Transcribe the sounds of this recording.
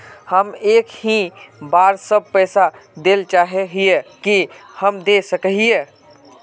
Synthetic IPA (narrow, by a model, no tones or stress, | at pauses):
həmeːkhĩbaːɾsəb̚pɛːsad̪eːlt͡ʃaːɦeɦiekihəmd̪esəkəɦie